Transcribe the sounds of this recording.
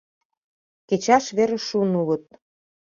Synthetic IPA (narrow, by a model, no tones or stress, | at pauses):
ket͡ɕɑʃβeɾĕʃunuɣə̆t̪̚